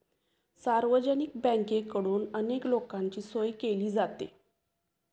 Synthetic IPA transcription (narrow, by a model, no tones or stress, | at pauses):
saɾʋəd͡ʑənik̚bɛ̃ŋkekəɽuːnəneklokaɲt͡ɕiːsojkeliːd͡zat̪ḛ